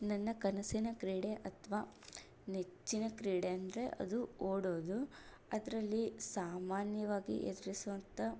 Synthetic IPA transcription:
nɐnːɐkɐnɐsinɐkɾiːɽeʔɐt̪ʰʋaː | net͡ʃːinɐkɾiːɽeɐnd̪ɐɾe̞ʔɐ̰d̪uoːɽoːd̪u | ɐd̪ɐɾɐlːisaːmaːnjɐʋaːɡḭʔed̪ɐɾisuʋɐnt̪ɐ

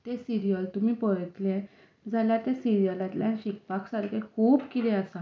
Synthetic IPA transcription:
t̪esiɾijəlt̪um̤iːpəɽət̪lẽ | d͡zʱaljat̪esiɾijəlat̪ljanɕik̚paksaɾkʰekʰuːbkit̪ɛ̃asa

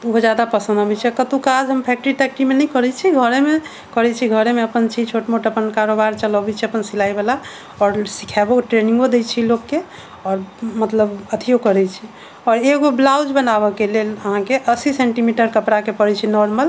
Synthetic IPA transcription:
uɦod͡ʒjad̪apəsə̃nd̪ɦəbɛt͡ʃʰikət̪ukad͡ʒɦəmpʰɛk̚ʈəɾiʈɛk̚ʈimenəikəɾɛt͡ʃʰiɡʱəɾeme | kəɾɛt͡ʃʰiɡʱəɾemeəpənt͡ʃʰit͡ʃʰoʈmoʈəpənkaɾobaɾt͡ʃələbɛt͡ʃʰiəpənsilajbela | ɔɾsikʰɛboʈɾenĩŋɡod̪ejt͡ʃʰilokːe | ɔːɾmət̪ləbət̪ʰiokəɾɛt͡ʃʰi | ɔɾeɡoblawd͡ʒbənabəkeleləɦãkeʔəsiseɳʈimiʈəɾkəpɾakepəɾɛt͡ʃʰinɔɾməl

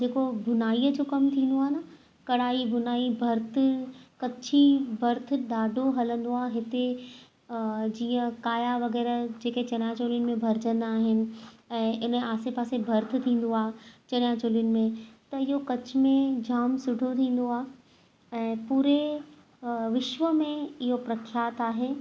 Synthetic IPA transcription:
d͡ʑeːkobʱʊnaːiəd͡ʑoːkɐmt̪ʰĩːn̆d̪oaːɦenɐ | kɐɽaːibʱʊnaːibʱɐɾt̪ʰɪ̆kɐt͡ɕʰibʱɐɾt̪̆ʰɗaːɖʱoɦɐlə̃nd̪oaːɦɪt̪e | d͡ʑiːə̃kaːjaʋɐɣɛːɾd͡ʑeːket͡ɕɐñjaːt͡ɕoːlijʊnɪ̆mẽbʱɐɾɪd͡ʑə̃n̆d̪aːɦɪnɪ̆ɛ̃ːʔɪnaːsepaːsebʱɐɾt̪ʰɪt̪ʰĩːn̆d̪oaːt͡ɕɐɽjaːt͡ɕoːljʊnɪ̆mẽt̪ɐɪɦokɐt͡ɕɪmẽd͡ʑaːmsʊɖʱot̪ʰĩːn̆d̪oaːɦ | ɛ̃ːpuːɾe | ʋɪʃʋəmẽɪɦopɾɐkʰjaːt̪aːɦeː

